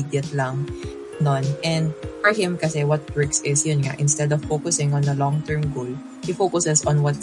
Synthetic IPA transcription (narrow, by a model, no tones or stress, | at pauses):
d̪jɐt̪laŋ | nonʔɛ̃nd̪fɔɹhɪ̃mkɐsɛwɔt̪̚bɹɛksɪsjʊnŋa̰ʔɪnst̪ɛd̪ɔv̥foːkʊsɪ̃ŋɔ̃nd̪ɐlɔ̃ŋt̪ɛɹmɡol | hifoːkʊsɛsɔ̃nwɐt̪̚